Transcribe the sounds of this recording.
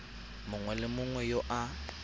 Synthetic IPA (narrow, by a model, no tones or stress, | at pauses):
mʊŋwɛlɪmʊŋwɛjoʔa